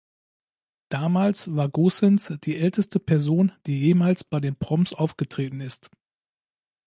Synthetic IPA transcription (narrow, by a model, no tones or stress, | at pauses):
d̥aːmaːlsv̥aːɐɡoːsɛnsd̥iːʔɛltəstəpʰɛɐzoːnd̥iːjeːmaːlsb̥aɪdeːnpʁ̥ɔmsʔaʊfɡ̥ətʁ̥eːtn̩ɪst